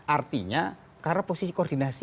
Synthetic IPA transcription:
ʔart̪iɲa | karnaposisikoːrd̪inasi

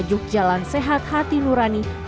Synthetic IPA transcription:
d͡ʒʊk̚d͡ʒalansɛɦat̪̚hat̪inuɾani

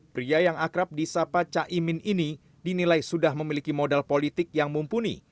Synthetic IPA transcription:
pɾiajaŋakɾap̚disapat͡ʃaʔimɪnini | dinilajsudahməmilikimodalpolit̪ɪk̚jaŋmumpunḭ

